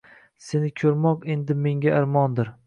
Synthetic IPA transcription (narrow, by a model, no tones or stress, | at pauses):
se̞nɪkʲʰɵɾmɒqe̞nd̪ɪme̞ŋɡʲaɪɾmɒnd̪ɪɾ